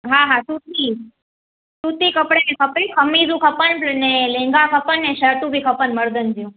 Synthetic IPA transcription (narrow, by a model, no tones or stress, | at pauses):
ɦaɦasut̪i | sut̪ikəpɽenekʰəpɾĩkʰəmizũkʰəpənplənelẽŋɡakʰəpənːeʃəʈũbʱikʰəpənməɾd̪ənd͡ʒijũ